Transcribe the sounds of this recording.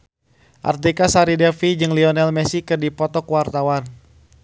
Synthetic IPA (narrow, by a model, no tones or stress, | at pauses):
ʔa̰rt̪ikasaɾidɛfid͡ʒɨŋliɔnɛlmɛsikɨrdipɔt̪ɔkwart̪awan